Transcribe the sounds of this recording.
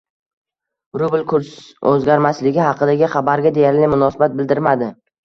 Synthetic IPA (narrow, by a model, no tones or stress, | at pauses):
ɾʊblkʰʊɾsɵzɡʲaɾmaslɪɡʲɪhɑqʰɨd̪aɡʲɪχabaɾɡʲad̪e̞jaɾlɪmʊnɒsabat̪̚bɪld̪ɪɾmad̪ɪ